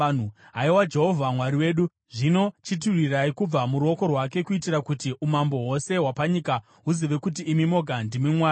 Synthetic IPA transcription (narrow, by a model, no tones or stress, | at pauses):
n̤u | ɦaiwad͡ʒe̞ɦo̞vʱamwaɾiwe̞ːɗu | ʐino̞t͡ʃit̬uriraikub͡vamuɾuo̞ko̞rwake̞kuitirakutiʔumambo̞ɦo̞se̞ɦwapaɲika | ɦuziʋe̞kut̬iːmimo̞ɡʱandimimwaːi